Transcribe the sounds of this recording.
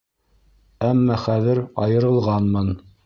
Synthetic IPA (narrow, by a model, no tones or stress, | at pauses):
æmːɑχæðɘɾɑjɤ̆ɾɤ̆lˠʁɑnmɤn